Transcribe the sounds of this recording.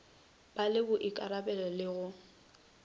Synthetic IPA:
b̥alɪbʊʔɪkʼaɾabɛlɔlɪɣʊ

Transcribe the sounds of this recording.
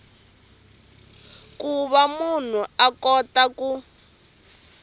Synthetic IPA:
kuβamun̤uakɔtaku

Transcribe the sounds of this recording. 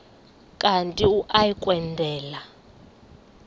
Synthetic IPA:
kʼantʼiuʔajikʼwɛndʱɛːla

